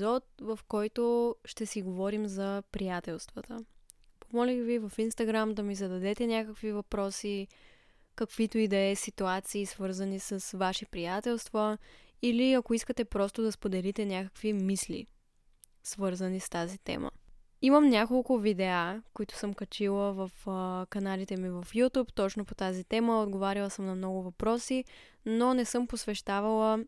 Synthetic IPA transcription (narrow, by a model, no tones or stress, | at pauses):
zɔt̪̚vɐfkɔjt̪oʃt̪ɛsiɡovɔɾimzɐpɾijat̪ɛlˠst̪vət̪ə | pomɔlʲivivɐfinst̪ɐɡɾamd̪ɐmizɐd̪ɐd̪ɛt̪ɛnʲakəkvivɐpɾɔsi | kəkvit̪oid̪ɛɛsit̪uat̪siːsvɤɾzənisəsvaʃipɾijat̪ɛlˠst̪vəiliɐkoiskət̪ɛpɾɔst̪ʊd̪ɐspod̪ɛlit̪ɛnʲjakə̥kvimislḭ | svɤɾzənist̪azit̪ɛ̰mə̰ | imɐmnʲakolˠkʊvid̪ɛakoit̪ʊ̥sɤmkɐt͡ʃilˠəvəfkɐnalit̪ɛmivɐfjut̪upt̪ɔt͡ʃnopot̪azit̪ɛməod̪ɡovaɾilˠəsəmnɐmnɔɡʊvɐpɾɔsi | nonɛsɤmposvɛʃt̪avɐlˠə